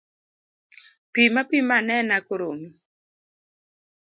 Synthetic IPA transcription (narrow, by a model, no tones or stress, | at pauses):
pimapimanɛnakoɾomi